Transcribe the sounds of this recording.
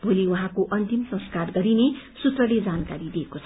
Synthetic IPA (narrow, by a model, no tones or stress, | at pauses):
bʱoliwuɦãkoʔʌnt̪imsʌ̃skarɡʌɾine | sut̪rʌled͡zankaɾid̪iekot͡sʰʌ